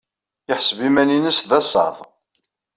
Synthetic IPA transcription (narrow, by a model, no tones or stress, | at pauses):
jəħsbimæninəsðæsˤɑ̰ðˤ